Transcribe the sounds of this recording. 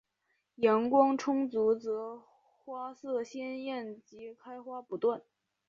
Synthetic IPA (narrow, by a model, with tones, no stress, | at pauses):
jɛ˧˥nkwɑ˥ŋʈ͡ʂʰʊ˥ŋt͡su˧˥t͡sɤ˧˥ | xwa˥sɤ˥˧ɕjɛ˥njɛ˥˩nt͡ɕi˧˥kʰa˥ɪxwa˥pu˧˥t̪wa˥˩n